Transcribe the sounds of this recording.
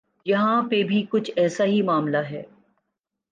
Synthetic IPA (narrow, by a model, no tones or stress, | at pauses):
jɐɦãpebʱikʊt͡ʃʰɛːsaɦimaːmlaɦɛ̰ː